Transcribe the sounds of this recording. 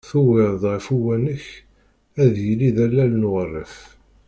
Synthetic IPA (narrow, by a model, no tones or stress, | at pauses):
θuwɪɾðʁəfuwænəç | æðjəliðælːælnʁərːə̰f